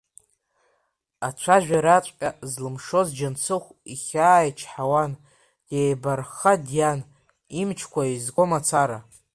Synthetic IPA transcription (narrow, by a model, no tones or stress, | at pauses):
at͡ʃʷʰaʒᶣaɾat͡ʃʷʼkʲʼazlɨmʂo̞zd͡ʒant͡sʰɨχʷiχʲaːjat͡ʃʰħawan | jejbarχadjan | imt͡ʃʰkʷʰaizɡʷomat͡sʰaɾa